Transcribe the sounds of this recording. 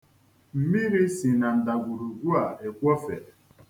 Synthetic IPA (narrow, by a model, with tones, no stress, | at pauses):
m̩˨mi˦ɾi˦si˨na˨n̩˨da˨ɡʷu˨ɾu˨ɡʷu˦a˨e˨kʷɔ˦fe˨